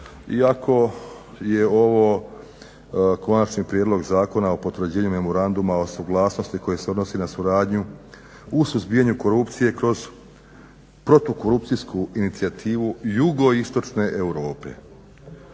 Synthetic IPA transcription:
iakʰo̞ | jeo̞ʋo̞ | ko̞nat͡ʃnipɾjed̪lo̞ɡzaːko̞nao̞po̞t̪ʋr̩d͡ʑeːɲume̞mo̞ɾand̪umao̞suɡlˠaːsno̞st̪iko̞jese̞o̞d̪nosinasuɾaːd̪ɲu | usuzbijaɲuko̞ɾupt̪sije̞kɾo̞z | pɾo̞t̪oko̞ɾup̚t̪siskuinit̪siat̪ʰiːʋujuɡo̞ist̪o̞t͡ʃne̞ʔeuɾo̞ːpe̞

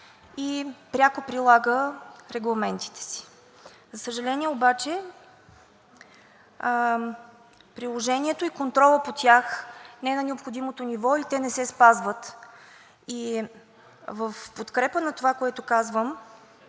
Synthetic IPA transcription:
ipɾʲakopɾilˠaɡəɾɛɡlˠɐmɛnt̪i̥t̪ɛ̥si̥ | zɐsəʒɐlɛniɛobat͡ʃɛ | pɾilˠoʒɛniɛt̪oikont̪ɾɔlˠəpot̪ʲjaxnɛɛnɐnɛopxod̪imot̪onivɔit̪ɛnɛsɛspazvət̪ | i | vəfpot̪kɾɛpənɐt̪ovakoɛt̪okazvəm

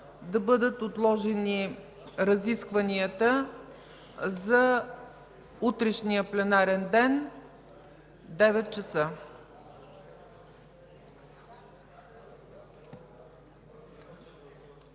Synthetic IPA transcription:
d̪ɐbɤd̪ət̪ot̪lˠɔʒɛni | ɾɐziskvəniət̪ə | zɐ | ut̪ɾɛʃnijəplɛnaɾɛnd̪ɛn | d̪ɛvɛt̪̚t͡ʃɐsə

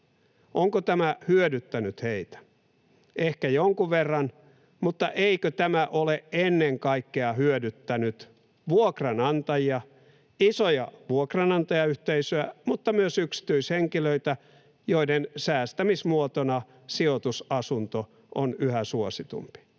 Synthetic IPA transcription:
ʔoŋkot̪æmæhyødyt̪ːænyt̪heit̪æ̥ | ʔehkæjoŋkuʋʋerːɑn | mut̪ːɑʔeikøt̪æmæʔoleʔenːeŋkɑikːeɑhyødyt̪ːænyt̪ | ʋuokrɑnɑnt̪ɑjiɑ | isojɑʋuokrɑnɑnt̪ɑjɑyht̪eisøæmut̪ːɑmyøsyksi̥t̪yisheŋkiløit̪æ | joidensæːst̪æmismuot̪onɑ | siot̪usɑsunt̪o | ʔo̰nyhæsuosit̪ṵmpi̥

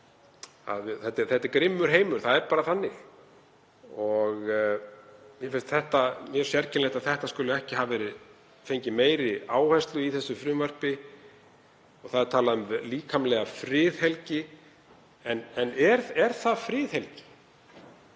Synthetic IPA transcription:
a̰ðθɛt̪ːɛθɛht̪ːɪɾkɾɪmːʏɾ̥ɦeːjmʏɾ̥θaðɛɾpaːɾaθanːɪɣ | ɔɣ | mjɛfɪnst̪θɛht̪amjɛɾ̥sjɛɾcʰɪnlejht̪aðθɛht̪askʏlʏɛhcɪɦaːvvɛːɾɪð | fejɲcɪmeːjɾɪaːwhɛst̪lʏiθɛsːʏfɾʏmvœr̥pɪ | ɔɣθaðɛɾ̥t̪ʰaːlaðʏmliːkʰamlɛɣafɾɪːðhɛlcɪ | ɛnɛnɛɾɛɾ̥θaðfɾɪːðhɛlcɪ̥

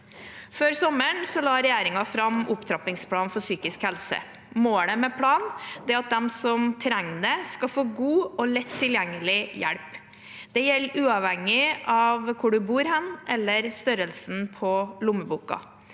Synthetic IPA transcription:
føːɾsɔməɳsɔlɑːɾɛjæːɾɪŋɑfɾɑmʊpt̪ʰɾɑpɪŋspʰlɑːnfɔsyːkɪskhɛlsə̰ | moːɳəmɛpʰɽɑːnd̪ɛɛɑt̪̚d̪ɛmsɔmt̪ʰɾɛŋnəskɑfoːɡuːɔlɛt̪ʰːɪljɛŋːəlɪjæ̰ɽp | d̪̥ɛjɛlːʉːɑʋhɛŋɪʔɑʋkʰʊɖʉbuːɾhɛnːʔɛlːəɾst̪œɾəlsn̩pʰɔlʊmːəbuːkɑ̰

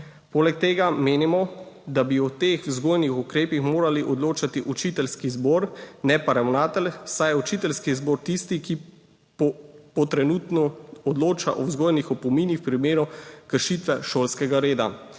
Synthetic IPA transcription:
poːlɛk̚t̪eːɡameːnimɔd̪abiɔt̪eːxwzɡoːjnixukɾeːpixmoːɾaliʔɔd̪loːt͡ʃat̪iʔut͡ʃit̪ɛlskizboːɾnɛpaɾɛwnaːt̪ɛlsajɛut͡ʃit̪ɛlskizboːɾt̪ist̪iki | ppɔt̪ɾɛnuːt̪nɔɔd̪loːt͡ʃaʔɔwzɡoːjnixɔpɔmiːnixwpɾimeːɾukəɾʃit̪ʋɛʃoːlskɛɡaɾeːd̪a̰

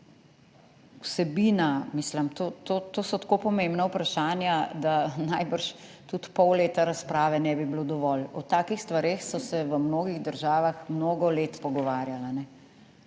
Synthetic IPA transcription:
wsɛbiːnamiːslamt̪oːt̪ot̪oːsɔt̪koːpɔmembnawpɾaʃaːnjad̪anajbəɾʃ | t̪ut̪pɔwleːt̪aɾaspɾaːʋɛnɛbiblod̪ɔʋɔlɔt̪aːkixst̪ʋaɾeːxsɔsɛʋəmnoːɡiɣd̪əɾʒaːʋaxmnoːɡɔleːt̪pɔɡɔʋaːɾjalanɛ

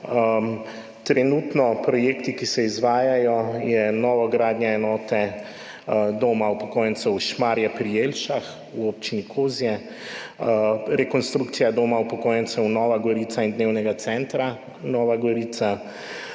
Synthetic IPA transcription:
t̪ɾɛnuːt̪nɔpɾɔjeːkt̪ikisɛizʋaːjajɔjɛnɔːʋɔɡɾaːd̪nɲɛɛnɔːt̪ɛ | d̪oːmaupɔkoːjɛnsɛwʃmaːɾjapɾijelʃax | uopt͡ʃinikʰoːzijɛ | ɾɛkɔnst̪ɾukt̪sijad̪oːmaupɔkoːjɛnt̪sɛwnɔːʋaɡɔɾiːt̪saind̪neːwnɛɡat̪sɛnt̪ɾa | nɔːʋaɡɔɾiːt̪sa

